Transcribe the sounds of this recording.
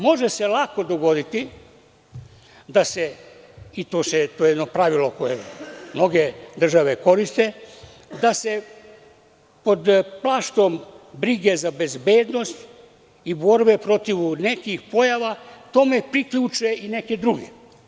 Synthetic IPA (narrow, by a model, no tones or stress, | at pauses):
mo̞ʒese̞lˠako̞d̪o̞ɡo̞d̪it̪i | d̪ase | it̪oːset̪oːjejɛd̪nopɾaʋiloko̞jemno̞ɡed̪r̩ʒaʋe̞ko̞ɾist̪e̞ | d̪ase̞ | po̞d̪plˠaʃt̪o̞mbɾiɡe̞zabe̞zbe̞ːd̪no̞st̪ | ibo̞ɾbepɾo̞t̪iʋne̞kixpo̞jaʋat̪o̞me̞pɾikʎuːt͡ʃeʔine̞ke̞d̪ɾuɡe